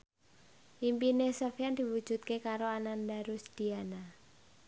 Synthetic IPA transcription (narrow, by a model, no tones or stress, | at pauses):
ʔimpinesəfjand̪̥i̤wud̥ʒ̥ṳt̪̚kekaɾoanand̪aɾusd̪̥i̤ana